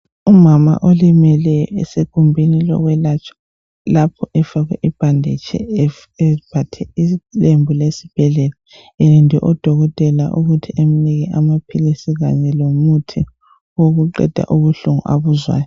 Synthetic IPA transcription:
umama̰ʔolimɛlɛjɔ̰ɛsekʼumbʱinilɔ̰ɣwɛlat͡ʃʰʼḁ | lapʰɔʔɛfaɣwɛʔib̥ʱandʱɛt͡ʃʰɛ̰ | ɛb̥ʱatʰɛilembʱulesi̥b̥ʱɛɮɛla | ɛlindʱɛ̰ʔɔd̥ʱɔɣɔtʼɛla̰ʔuɣutʰieminiɣɛʔamapʰilisiɣa̰ɲɛlomutʰi | oɣuǃɛ̰d̥ʱa̰ʔuβuɬuŋṵʔaβuzwa̰ːjɔ

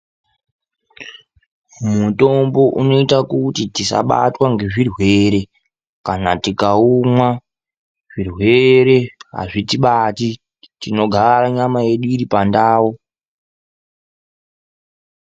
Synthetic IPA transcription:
muto̞mbo̞ʔuno̞itakutitisa̰ɓa̰twaŋɡe̞ʐirwe̞ːɾe̞ | kanatikaumwa | ʐ̥irwe̞ɾe̞ɦa̰ʐitiɓati | tino̞ɡʱaɾaɲamaje̞ɗuiɾipandaːwo

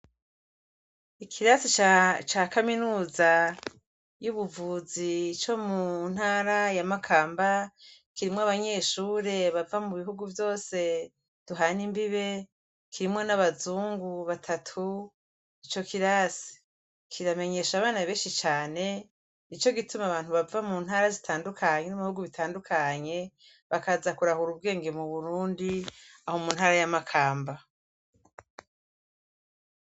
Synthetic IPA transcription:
ikʰiɾasit͡ʃt͡ʃaːkaminuːza | juβuvuzit͡ʃo̞mun̥haːɾajamakʰaːmbakiɾimŋoaβaɲe̞ːʃuːɾe̞βavamuβiɦuɡuvjo̞ːse̞ | d̥uɦanimbiβe̞ | kʰiɾimŋo̞naβazuːŋɡuβatʰatʰu | it͡ʃo̞kiɾasi̥ | kʰiɾame̞ɲe̞ʃaβaːnaβeːnʃit͡ʃaːne̞ | nit͡ʃo̞ɡitumaβaːnhuβavamuːn̥haːɾazitʰaːndukʰaɲe̞nimβihuɡuβitʰaːndukʰaɲe̞ | βakazakuɾahuɾub̚ɡe̞ːŋɡe̞muβuɾuːndiaho̞muːn̥haːɾajamakʰaːmba

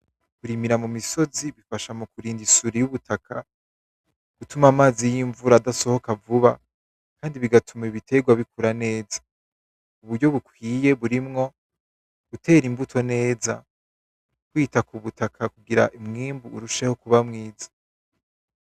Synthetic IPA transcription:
kuɾimiɾamumiso̞ziβifaʃamukuɾiːndisuɾijuβutʰakʰa | ɡ̥utumamaːzijiɱvuɾadaso̞ho̞kavuβa | kaːndiβiɡatʰumeβitʰe̞ɡwaβikuɾane̞ːzḁ | uβuɾɟo̞βukwiːje̞βuɾimŋo̞ | ɡ̥utʰe̞ːɾimbutʰo̞ne̞ːza̰ | kwiːtakuβutakʰakuɡiɾa̰ʔimŋiːmbuːɾuʃe̞ho̞kuβamŋiːzḁ

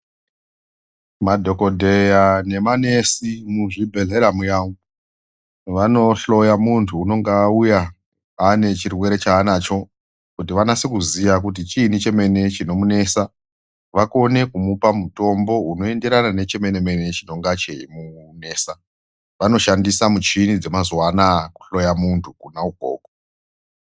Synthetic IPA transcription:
madʱo̞ko̞dʱe̞jane̞mane̞simuʐibʱe̞ɮe̞ɾamujaːŋu | ʋano̞ɬo̞jamuntʰuːno̞ŋɡaːuja | ane̞t͡ʃirwe̞ɾe̞t͡ʃaːnat͡ʃo̞ | kutiʋanasekuzijak̬ut̬it͡ʃinit͡ʃe̞me̞ne̞t͡ʃino̞mune̞ːsa | ʋako̞ne̞kumupamuto̞mbo̞uno̞e̞nde̞ɾanane̞t͡ʃe̞me̞ne̞me̞ne̞t͡ʃino̞ŋɡat͡ʃe̞imune̞ːsa | ʋano̞ʃandisamut͡ʃinid͡ze̞mazwanaku̥ɬo̞jamuntʰukunauɡʱo̰ːko

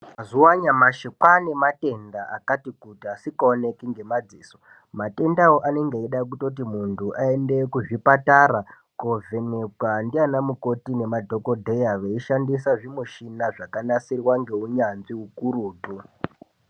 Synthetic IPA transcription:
mazuwaɲamaʃekwane̞mate̞ndaʔa̰katikutiasikaone̞kiŋɡe̞mad͡ziːso̥ | mate̞ndawoʔane̞ŋɡeeɗak̬uto̞t̬imuntʰuʔae̞ndekuʐipataɾa | kovʱe̞nekwandianamuko̞tine̞madʱo̞ko̞dʱe̞jaʋeiʃandisaʐimuʃinaʐakanasirwaŋɡe̞uɲanʐiukuɾuːtu

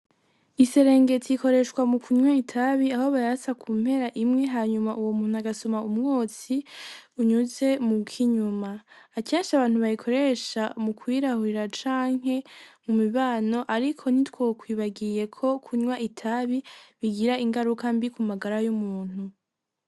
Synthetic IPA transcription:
ise̞ɾeːŋɡe̞tʰiko̞ɾe̞ʃkwamukʰuɲwaitʰaβiaho̞βaasakʰuːm̥he̞ɾaʔimŋe̞ɦaːɲumaʔuwo̞muːn̥uaɡasomaumŋo̞ːt͡siuɲuze̞mukʰiɲumaːkeːnʃaβaːn̥uβajikʰo̞ɾeʃamukwiɾahuɾiɾat͡ʃaːŋ̥ɦe̞mumiβaːno̞ʔaɾikʰo̞n̥itwokwiːβaɡije̞kʰo̞kʰuɲwaitʰaβiβiɡiɾaiŋɡaɾukambikumaɡaɾajumuːn̥u

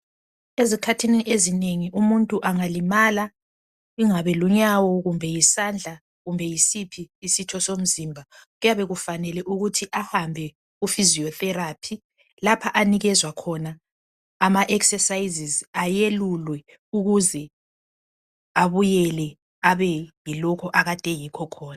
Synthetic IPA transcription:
ezikʰatʰiniʔezineŋiʔumuntʼuʔaŋalimaːla | iŋaβɛluɲawɔɣumbʱɛjisand͡ɮʱa | ɣumbʱɛjisipʰiːsitʰɔsom̩ziːmbʱaɣujaβɛɣufanɛlɛʔuɣutʰiʔahambʱɛ | ɣufiziɔθɛɾaːpʰi | lapʰaʔaniɣɛzwakʰɔnaː | maʔɛksɛsajzizajelulwɛ | uɣuzɛ | aβujɛlɛ | aβɛjilɔkʰɔʔaɣatʼɛjikʰɔkʰɔːna

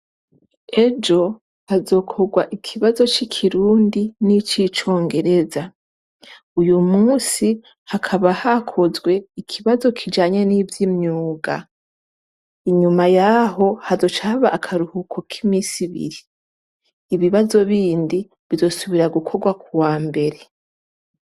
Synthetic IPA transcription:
e̞d͡ʒo̞ | hazo̞ːkʰo̞ɡwaʔikʰiβazo̞t͡ʃikʰiɾuːndinit͡ʃit͡ʃo̞ːŋɡe̞ɾe̞za | ujumuːsi | hakʰaβahakʰo̞zɡwe̞ikʰiβazo̞kʰid͡ʒaːɲe̞nivjimɲuːɡa̰ | iɲumajaɦo̞hazo̞t͡ʃaβaʔːkʰaɾuhukʰo̞kʰimiːsiβḭɾiː | βiβazo̞βiːndi | βizo̞suβiɾaɡukʰo̞ɡwakuwaːmbe̞ɾe̞

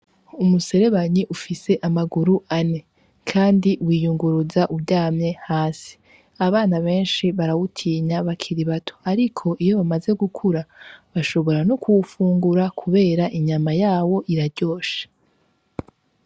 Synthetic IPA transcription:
umuse̞ɾe̞βaɲiʔufise̞ʔamaɡuɾuʔane | kʰaːndiwiːjuŋɡuɾuzaʔubɟaːmɲe̞haːsi̥ | aβaːnaβe̞ːnʃiβaɾawutʰiːɲaβakʰiɾiβatʰo̥aɾikʰo̞ʔijo̞βamaze̞ɡukʰuɾaβaʃo̞βo̞ɾanokʰuwufuːŋɡuɾakʰuβe̞ːɾaʔiɲamajaːwo̞ʔiɾaɾɟo̞ːʃḁ

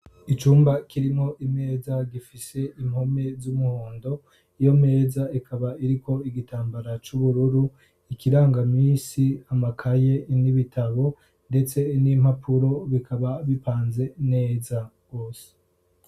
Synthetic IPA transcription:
it͡ʃuːmbakʰiɾimo̞ʔime̞ːzaɡifise̞im̥ho̞me̞zumuhuːndo̞ | ijo̞me̞ːzaikʰaβaiɾiko̞iɡitʰaːmbaɾat͡ʃuβuɾuɾu | ikiɾaːŋɡamiːsiamakʰaje̞niβitʰaβo̞ | nde̞t͡se̞nim̥hapʰuɾo̞βikʰaβaβipaːnze̞ne̞ːzaɡ̥o̞ːse̥

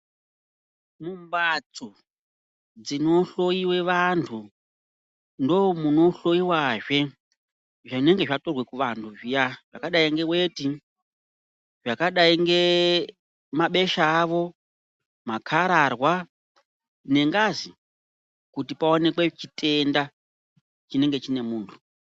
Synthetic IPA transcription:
mumbat͡so | d͡zino̞ɬo̞jiwe̞ʋantʰu | ndo̞muno̞ɬo̞iwaʐe̞ | ʐine̞ŋɡe̞ʐatorwe̞kuʋantʰuʐijaʐ̥a̰kaɗaiŋɡe̞weti | ʐakaɗaiŋɡe̞ | maɓe̞ʃaːʋo̞ | makʰaɾarwa | ne̞ŋɡazi | kutipaone̞kwe̞t͡ʃitʼe̞nda | t͡ʃine̞ŋɡet͡ʃine̞muːntʰu̥

